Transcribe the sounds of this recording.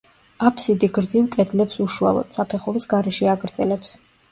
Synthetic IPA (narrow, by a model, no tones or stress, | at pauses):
apʰsid̪iɡɾd̪zivkʼɛd̪lɛpsuʃua̰lˠɔ̰d̪̥sapʰɛχɔɾisɡaɾɛʃiaɡɾd̪zʼɛlɛps